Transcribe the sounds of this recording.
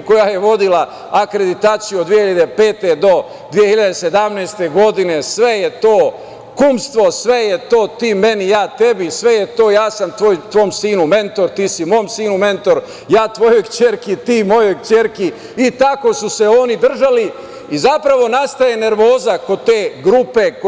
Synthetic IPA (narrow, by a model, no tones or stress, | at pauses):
ko̞jaːje̞ʋo̞d̪ila | akɾe̞d̪it̪aːt̪sijuod̪ʋijehiʎad̪epe̞ːt̪e̞d̪o̞ | d̪ʋije̞hiʎad̪ese̞d̪amneːst̪e̞ɡo̞d̪ine̞sʋe̞jet̪o̞ː | kumst̪ʋo̞sʋe̞jet̪o̞ːt̪iːme̞nijaːt̪e̞bisʋe̞jet̪o̞ːjaːsamt̪ʋojt̪ʋoːmsiːnume̞nt̪o̞ɾt̪iːsimo̞ːmsiːnume̞nt̪o̞ɾ | jaːt̪ʋo̞jo̞jkt͡ɕeːɾkit̪iːmo̞jo̞jkt͡ʃeɾki | it̪ako̞suseo̞nid̪r̩ʒali | izapɾaʋo̞nast̪ajene̞ɾʋoːzako̞d̪̚t̪e̞ːɡɾupe̞k